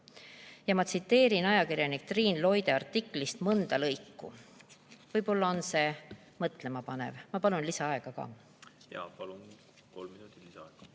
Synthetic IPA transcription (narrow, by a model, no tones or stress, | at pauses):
jɑmɑt̪sit̪ːe̞ːɾinɑjɑkiɾjɑnik̚t̪riːnlo̞jd̪e̞ɑrt̪ːikːˑlist̪mɤnd̪̥ɑlɤjkːṵ | vɤjpo̞lːɑo̞nse̞ | mɤt̪ˑle̞mɑpɑne̞̰vmɑpɑlunlisɑɑe̞ɡ̥ɑkɑ̰ː | jɑ̰ːpɑlun | ko̞lmminut̪ːˑilisɑɑeɡ̥ɑ̥